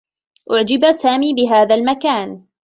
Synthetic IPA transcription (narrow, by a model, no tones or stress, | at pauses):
ʔʊʕd͡ʒɪbasaːmiːbɪɦaːðalmakaːn